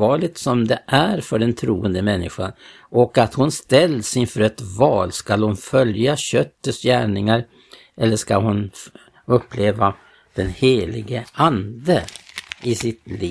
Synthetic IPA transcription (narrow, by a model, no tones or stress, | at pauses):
ɑːɭɪɡ̚t̪sɔmd̪ɛʔæɾfœɖɛnt̪ʰɾuːənd̪əmɛnːɪɧa̰n | ɔkat̪hʊnst̪ɛlːsɪnfœɾɛt̪vɑːlskalhʊnfœljaɕœt̪ːəsjæːɳɪŋaɾ | ʔɛlːəʂkalɦʊn | ɵpːleːva | d̪̥ɛnheːlɪɡəand̪əɪsɪt̪liː